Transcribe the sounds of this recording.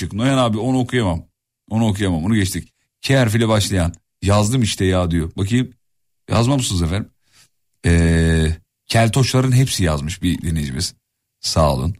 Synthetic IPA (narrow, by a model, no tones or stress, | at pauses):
ɯknojanaːbio̞nuokʰujamam | onuokʰujamamonuɟɛt͡ʃt̪ʰic̚ | cʰeæɾfilʲɛbaʃlˠajan | jazd̪ɯmiʃt̪ʰɛjaːd̪ɯjobakʰɯjɯm | ja̰zmamusunzefæɾim | ɛː | cʰælʲt̪ʰo̞ʃlˠaɾɯnɦepsijazmɯʃbid̪inid͡ʒimiz̥ | saːlˠɯ̰n